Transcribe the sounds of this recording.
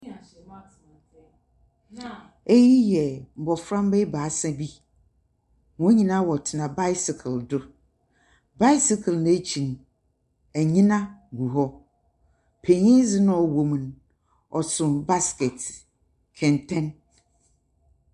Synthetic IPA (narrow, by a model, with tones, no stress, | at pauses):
e˦ji˦jɛ˨m̩˨bɔ˨fɾã˦m˦be˦baː˨˦sɛ̃˦bi˦ | wɔ̃˦ɲĩ˨nã˦wɔ˨tʰɪ˨nã˨ba˦ɪ˦sɪ˨kʰldʊ˦ | ba˦ɪ˦sɪ˨kʰln˦t͡ɕʰĩ˨n˨ | æ˨ɲĩ˦nã˦ɡu˨ɦɔ˦ | pʰe˨ɲĩ˦zɪ˦nʊ̃˦ɔ˨wo˨m˨n˦ | ɔ˨sʊ̃˨nba˦skɛ˨t | kʰɛ̃˨ntʰɛ̃˦n